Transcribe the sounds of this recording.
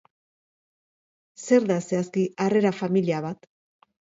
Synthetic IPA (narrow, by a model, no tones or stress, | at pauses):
se̞ɾðase̞askiʔare̞ɾafamiliaβat̪